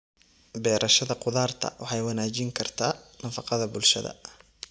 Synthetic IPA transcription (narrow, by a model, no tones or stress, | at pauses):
bɛːɾʔɐʃɐðɐqʊðaːrt̪ʰɐ̰wʔɑħɑjwɑnaːt͡ʃɪŋkʰɐrt̪ʰaːnɐfɑqɑðɐbʊlʃɐ̰ðɐ̰